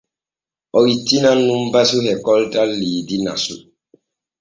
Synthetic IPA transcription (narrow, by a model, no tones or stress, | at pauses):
ʔɔwitːinanːumbasuhɛkɔltʼalːiːdina̰su